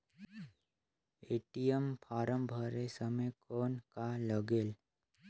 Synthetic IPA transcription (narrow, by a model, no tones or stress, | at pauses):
eːʈijəmpʰaːɾəmbʱəɾesəməjkʰɔːnkaləɡeːl